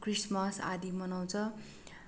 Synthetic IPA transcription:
krismʌsa̰d̪imʌnaw̃t͡sʰʌ

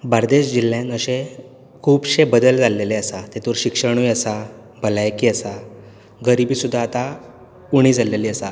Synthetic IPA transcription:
baɾd̪eɕd͡ʑil̤ːjãnəɕe | kʰuːbɕebəd̪əld͡zaleleəsat̪et̪uɾɕikʂəɳ̃ujəsa | bʱəlajkiəsa | ɡəɾibiːsud̪ʱːaːt̪a | uɽ̃iːd͡zʱaleliːəsa

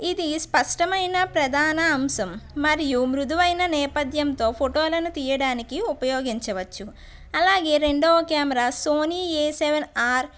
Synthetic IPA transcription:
id̪ispɐʂʈɐmɐjnɐpɾɐd̪ʱaːnɐːmsɐmːɐɾijumɾud̪ʱuʋɐjnɐnɛːpɐd̪jɐnt̪o̞ːpʰoʈoːlɐnut̪iːjɐɽaːnikiupɐjoːɡiɲt͡ʃɐʋɐt͡ʃːu | ɐlaːɡe̞ːɾe̞ɳɖoːkaːmɐɾaːsoːniːeːseʋɐnaːɾ

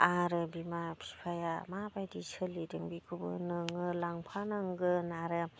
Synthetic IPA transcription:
aɾɯbimapʰi̥pʰajamabajdisɯlidɯŋbikʰubɯ̰nɯŋɯlaŋpʰanɯŋɡɯnaɾɯ

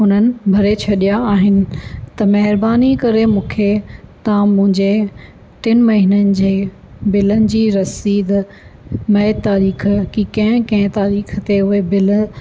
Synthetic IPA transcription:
ɦʊnənɪ̆bʱɐɾet͡ɕʰɐɗijaaːɦɪnɪ̆t̪ɐmɐɦɪɾbaːnikɐɾemũːkʰet̪ɐãmʊ̃ɦɪ̃ɲd͡ʑe | ʈɪnmɐɦinənɪ̆d͡ʑeː | bɪlənɪ̆d͡ʑiːɾɐsiːd̪ | mɛːt̪ːaːɾiːxkikɐ̃ɦɪ̃kɐ̃ɦɪ̃t̪aːɾiːxt̪eʊɦebɪl

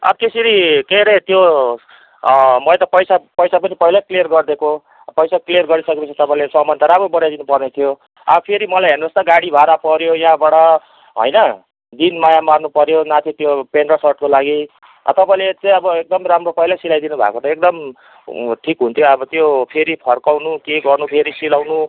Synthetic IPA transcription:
ʌ̰t̪esiɾikeɾet̪jo | mʌt̪ʌpʌjsapʌjsapʌnipʌɦilaklijʌrɡʌrd̪eko | pʌjsaklijʌrɡʌɾisʌkepʌst͡sʰʌt̪ʌpãĩlesʌmʌnt̪aɾabʌbʌɽjajd̪inupʌrnet̪ʰijo | ʌ̰bʌpʰeɾimʌlajɦernost̪ʌɡaɽibʱaɾapʌɾjojɦãbaɽʌ | ɦo̰jnʌ | d̪inmajamarnupʌɾjonat̪ʰit̪jopenrʌsʌrʈ̚kolaɡḭ | t̪ʌpaĩlet͡sãjʌbʌek̚d̪ʌmramropʌɦilasilajd̪inubʱa̰kot̪ʌek̚d̪ʌm | ʈʰikɦunt̪ʰjoʌbʌt̪jopʰeɾipʰʌrkawnukeɡʌrnupʰeɾisilawnu

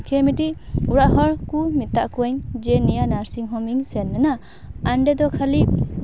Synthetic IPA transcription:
kʰemitiuɾaʔhɔɾkumitːaʔkuɔjŋd͡ʒenijanaɾsiŋɦɔmiŋsenːɯna | anɖedɔkʰalip̚

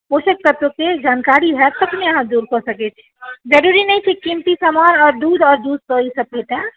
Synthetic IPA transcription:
osek̚t̪ət̪woked͡ʒaːnkaɾiɦɛt̪əpneəɦãd̪uːɾkosəkɛt͡ʃʰi̥d͡ʒəɾuɾinɛĩt͡ʃʰikimt̪isəmaɾɔːɾd̪uːd̪ɔːɾd̪uːd̪̚t̪oisəp̚peʈ̪ɛ̃

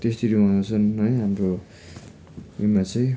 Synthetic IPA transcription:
t̪est̪iɾiɦat͡sʰʌnɦʌjɦamro | umat͡sʌj̃

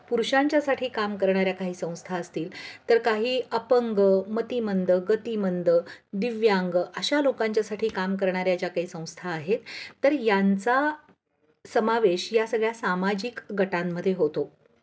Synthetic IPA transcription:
puɾɕaɲt͡ɕjasaʈʰiːkamkəɾɳ̃aɾjakaɦiːsə̃w̃st̪ʰaəst̪iːlt̪əɾkaɦiːʔəpəŋɡmət̪imənd̪əɡət̪imənd̪əd̪iʋjaŋɡəɕalokaɲt͡ɕjasaʈʰiːkamkəɾɳ̃aɾjat͡ɕjakaɦiːsə̃w̃st̪ʰaːɦet̪ːəɾjant͡sa | səmaʋeɕjasəɡɭjasamad͡ʑiːkɡʱəʈamːəd̪ʱːjeɦot̪o

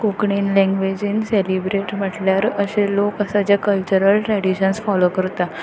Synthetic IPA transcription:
kokɳinlɛ̃ŋɡʋed͡ʑiːnselibɾeʈm̤əʈljaɾəɕelokəsat͡ɕjakəlt͡ɕəɾəlʈɾɛɽiɕənsfɔlokəɾt̪a

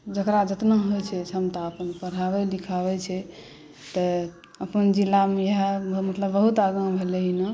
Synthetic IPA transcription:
d͡ʒəkɾad͡ʒət̪naɦojt͡ʃʰɛt͡ʃʰəmt̪aəpənpəɾabɛlikʰabɛt͡ʃʰɛ | t̪ɔ | əpənd͡ʒilːamejeɦamət̪ləbːəɦut̪aɡãmbʱeleɦina

